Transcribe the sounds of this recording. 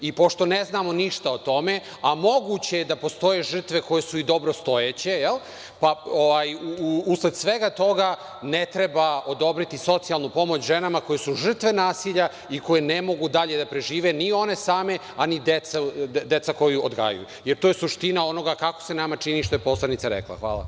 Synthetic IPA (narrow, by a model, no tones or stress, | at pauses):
ipo̞ʃt̪o̞neznaːmo̞niʃt̪aot̪o̞me̞ | amo̞ɡut͡ɕejed̪apo̞st̪o̞je̞ʒr̩t̪ʋe̞ko̞jesuid̪o̞bɾost̪o̞jet͡ɕe̞jel | paoʋajuusled̪sʋe̞ɡat̪o̞ɡa | net̪ɾebao̞d̪o̞bɾit̪iso̞t̪sialˠnupo̞mo̞t͡ɕʒenamako̞jesuʒr̩t̪ʋe̞naːsiʎa | ikojenemo̞ɡud̪aʎe̞d̪apɾe̞ʒiːʋenio̞ne̞saːme̞ | anid̪et̪sad̪et̪sako̞juod̪ɡa̰ːja̰jṵjeɾt̪oːjesuʃt̪inao̞no̞ɡakako̥senamat͡ʂiniʃt̪o̞jepo̞slˠanit̪saɾḛklˠa̰xʋa̰ːla̰